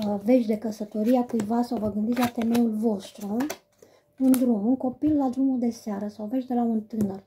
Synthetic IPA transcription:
ve̞t͡ʃʲd̪e̞kəsət̪o̞ɾiakujvasawvəɡɨnd̪it̪ʲlat̪e̞me̞julvo̞st̪ɾu | und̪ɾumuŋko̞pilːad̪ɾumud̪e̞seaɾəsawve̞t͡ʃd̪e̞launt̪ɨnər

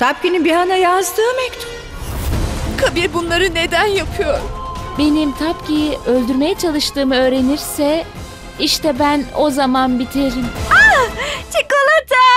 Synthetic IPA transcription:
t̪ʰap̚cinibiɦanajazd̪ɯːmɛkt̪ʰy | kʰabiɾbunlˠaɾɯne̞d̪ænjapʰɯjo̞ɾumbe̞nimt̪ʰapcijʔølʲd̪yɾme̞jɛt͡ʃʰalˠɯʃt̪ɯːmɯø̞ːɾe̞niɾsɛ | iʃt̪ɛbæno̞zamanbit̪ʰiɾimat͡ʃʰikolˠat̪ʰa

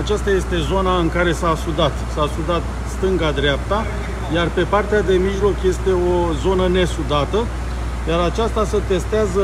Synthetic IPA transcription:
at͡ʃast̪aje̞st̪e̞zo̞naɨŋkaɾe̞saːsud̪at̪saːsud̪at̪ | st̪ɨŋɡad̪ɾeap̚t̪a | jarpe̞part̪ead̪e̞miʒlo̞kje̞st̪e̞o̞zo̞nəne̞sud̪at̪ə | jaɾat͡ʃast̪aset̪e̞st̪eazə

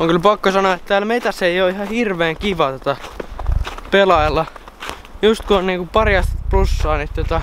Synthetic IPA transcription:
oŋkylpɑkːosɑnoɑet̪t̪æːlmet̪æsːeioihɑhirʋeːŋkiʋɑt̪ŏt̪ɑ | pelɑelːɑ | just̪kunniːŋkupɑrjɑst̪plusːɑːnit̪uot̪ɑ

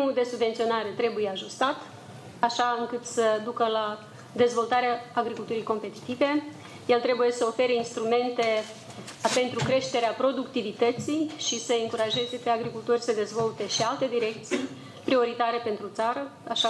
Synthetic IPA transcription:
mud̪e̞subve̞nt̪sio̞naɾe̞t̪ɾe̞buje̞aʒust̪at̪ | aʃaɨŋkɨt̪səd̪ukəla | d̪e̞zvo̞lt̪aɾeaːɡɾikult̪uɾijko̞mpe̞t̪i̥t̪ive̞ | je̞lt̪ɾe̞buje̞səo̞fe̞ɾəinst̪ɾume̞nt̪e̞ | pe̞nt̪ɾukɾe̞ʃt̪e̞ɾeapɾo̞d̪ukt̪ivit̪ət̪sijʃisəɨŋkuɾaʒe̞ze̞pe̞aɡɾikult̪orʲsəd̪e̞zvo̞lt̪e̞ʃialt̪e̞d̪iɾe̞k̚t̪sij | pɾio̞ɾit̪aɾe̞pe̞nt̪ɾut̪saɾəaʃa

